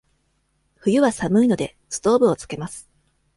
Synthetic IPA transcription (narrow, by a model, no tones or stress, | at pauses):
ɸɯ̟jɯ̟βasamɯ̟ino̞d̪e̞ | sɨ̥t̪o̞ːbɯ̟o̞t͡sɨ̥ke̞masɨ̥